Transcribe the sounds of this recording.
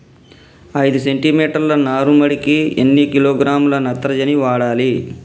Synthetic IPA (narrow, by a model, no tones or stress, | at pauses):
ɐjd̪use̞ɳʈimiːʈɐɾlɐnaːɾumɐɽikiḛnːikiloːɡɾaːmulɐnɐt̪ːɐɾɐd͡ʒɐniʋaːɽaːli